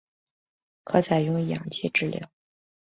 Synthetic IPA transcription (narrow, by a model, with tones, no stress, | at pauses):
kʰɤ˧˥t͡sʰa˨˩ɪjʊ˥ŋ˧jɑ̰˨˩ŋt͡ɕʰjɛ˥˧ʈ͡ʂɻ̩˥˩ljɑ̰˨˩ʊ